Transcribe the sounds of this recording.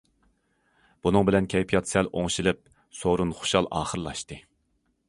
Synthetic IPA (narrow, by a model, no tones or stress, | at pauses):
b̥unɨŋbɪlɛnkʲʰɛjpʰijɑt̪sɛlʔoŋʃilɪp̚ | soɾunχo̥ʃɑlˠɑ̰ːχəɾɨlˠɑʃt̪ɨ